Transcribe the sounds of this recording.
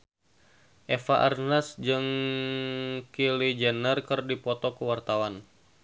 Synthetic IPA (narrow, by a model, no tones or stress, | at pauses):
ʔɛfaʔarnasd͡ʒɨŋ | kilid͡ʒənərkɨrdipɔt̪ɔkəwart̪awan